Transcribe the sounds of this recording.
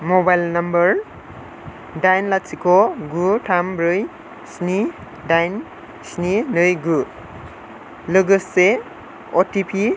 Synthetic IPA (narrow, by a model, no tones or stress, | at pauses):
mobajlnambɐɾ | dajnlatsikɔɡutʰambɾɯj | sni | dajn | sninɯjɡu | lɯɡɯsːe | ɔtipʰi